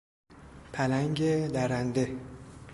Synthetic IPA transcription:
pʰælæŋɟed̪æɾænd̪e

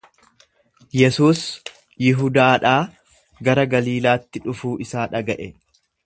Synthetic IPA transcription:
jɛsuːs | jɪɦʊd̪aːᶑaː | ɡɐɾɐɡɐliːlaːt̪ːɪᶑʊfuːʔɪsaːᶑɐɡɐʔɛ

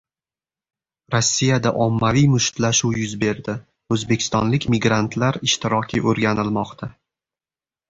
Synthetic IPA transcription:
ɾɒsʲːijad̪aʔɒmːavijmʊʃt̪laʃuwjʊzbe̞ɾd̪ɪ | ɵzbekʲʰɪ̥st̪ɒ̰nlɪkʲmɪɡɾant̪ʰlaɾɪʃt̪ɪɾɒkʲʰɪʔɵɾɡʲanɪlmɒqt̪ʰa

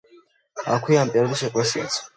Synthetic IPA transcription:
a̰kʷʰiampʼɛɾd̪iʃɛkʼɛsia̰sʰ

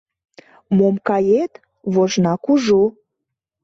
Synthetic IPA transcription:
momkɑjet̪ | βoʒnɑkuʒo

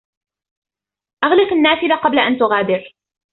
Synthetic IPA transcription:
ʔaɣlɪfanːaːfɪlaqɑblaʔant̪ʊɣaːd̪ɪɾ

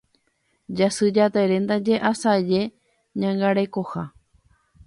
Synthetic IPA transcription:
d͡ʒasɨd͡ʒat̪eɾe̞nd̪ad͡ʒe̞ʔasad͡ʒe̞ | ɲãŋɡaɾe̞koha

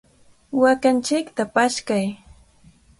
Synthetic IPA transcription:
wakant͡ʃɪkt̪apaʃkaj

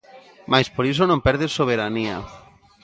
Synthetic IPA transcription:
majspoɾis̬onõmpɛɾðesːoβ̞eɾania̰

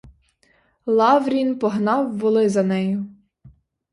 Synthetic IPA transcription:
lˠɑwɾʲinpɔɦnɑwːɔlˠɪzɐnɛjʊ

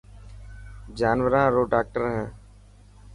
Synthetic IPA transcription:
d͡ʒaːnʋəɾãːɾoːɖaːk̚ʈəɾɦɛ̃ː

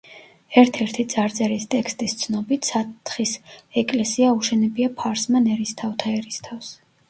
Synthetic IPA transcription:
ɛɾt̪ʰɛɾt̪ʰit̪sʼaɾd̪zʼɛɾist̪ʼɛkʰst̪ʼist̪sʰnɔbit̪ʰsat̪ʰχisɛkʼlɛsiauʃɛnɛbiapʰaɾsmanɛɾist̪ʰaft̪ʰaɛɾist̪ʰafs

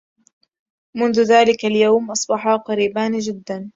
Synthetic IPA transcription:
mʊnðʊðaːlɪkaljawmʔɑsˤbɑħɑqɑɾiːbaːnd͡ʒɪd̪ːan

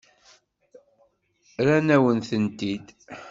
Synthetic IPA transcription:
ɾænæwənθənt̪id̪

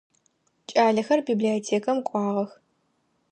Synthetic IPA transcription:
t͡ʃʼaːɮɐxɐrbiːbliotʰeːkʰɐmkʷʼɑːʁɐx

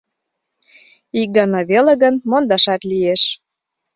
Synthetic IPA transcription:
ik̚ɡɑnɑβelĕɣə̆nmond̪ɑʃɑt̪lijeʃ

